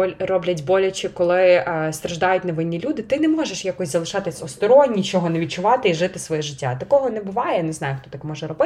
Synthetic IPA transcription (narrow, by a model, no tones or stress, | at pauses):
rɔblʲɐtʲbɔlʲɐt͡ʃɪkɔlˠɪst̪ɾɐʒd̪ɑjʊtʲnɐʋɪnʲːilʲud̪ɪt̪ɪnɛmɔʒeʃjakɔsʲzɐlˠɪʃɑt̪ɪsʲɔst̪ɔɾɔnʲːit͡ʃɔɦɔnɐʋʲit̚t͡ʃʊʋɑt̪ɪiʒɪt̪ɪsʋɔjiʒɪtʲːat̪ɐkɔɦɔnɛbʊʋɑjɛnɛznɑjʊxt̪ɔt̪ɐkmɔʒɛɾɔbɪ